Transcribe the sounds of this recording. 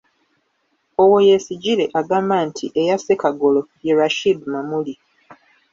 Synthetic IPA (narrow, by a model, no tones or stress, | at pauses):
owojesiɟiɾe̞ʔaɡaːmbantʰḭʔejasekaɡo̞lo̞jeɾaʃidmamuli